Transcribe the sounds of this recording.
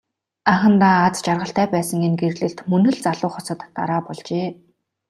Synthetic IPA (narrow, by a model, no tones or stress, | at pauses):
aχə̆nt̪aːt͡st͡ɕarʁə̆ɬt̪æːpæːsə̆ŋenɡerɮɘ̆ɬt̪mɵnɵ̆ɮt͡saɮʊːχɔsɞ̆t̪ːa̰ɾaːpɔɮt͡ɕeː